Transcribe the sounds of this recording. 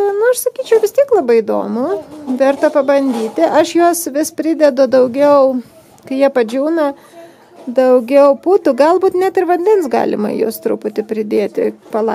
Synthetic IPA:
nʊɐʃsɐkʲiːt͡ʃʲɛʊʋʲɪst̪ʲiɛklˠɐbɐɪɪd̪o̰ːmʊʋʲɛrt̪ɐpɐbɐnʲd̪ʲiːt̪ʲɪʔɐʃjuɔsʋʲɪspʲɾʲɪd̪ʲɛd̪ʊd̪ɐʊɡʲɛʊ | kɐɪjiɛpɐd͡ʒʲuːnɐ | d̪ɐʊɡʲɛʊput̪ʊɡɐlˠbuːt̪nʲæt̪ɪrʋɐnʲd̪ʲɛnsɡɑ̰ːlʲɪ̰mɐ̰jo̰ːst̪ɾʊpʊt̪ʲɪpʲɾʲɪd̪ʲeːt̪ʲɪ̰pɐlˠɐ

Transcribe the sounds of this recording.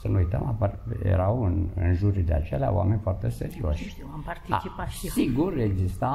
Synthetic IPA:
sənuujt̪ə̰maparjḛɾawɨnɨ̰nʒuɾid̪ea̰t͡ʃelea̰wʔa̰me̞nʲfoart̪e̞sḛɾio̞ʃ | aa̰siɡure̞ɡzist̪a

